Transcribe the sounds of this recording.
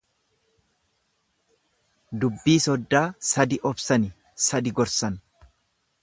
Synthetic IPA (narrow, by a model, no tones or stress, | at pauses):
d̪ʊbːiːsɔd̪ːaːsɐd̪ɪʔɔbsɐnɪ | sɐd̪ɪɡɔɾsɐn